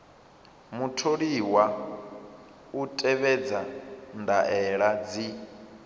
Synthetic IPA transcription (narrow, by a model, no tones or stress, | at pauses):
mutʰoɺiwa | utʼɛβɛd͡zandaʔɛɺad͡zi